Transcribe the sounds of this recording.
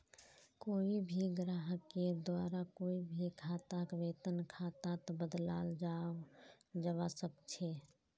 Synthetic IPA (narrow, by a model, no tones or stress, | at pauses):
koːibʱiɡɾaːɦəked̪waːɾakoːibʱikʰaːt̪akʋeːt̪ənkʰaːt̪at̪obəd̪la̰ːld͡ʒaːod͡ʒəʋasəb̚t͡ʃʰeː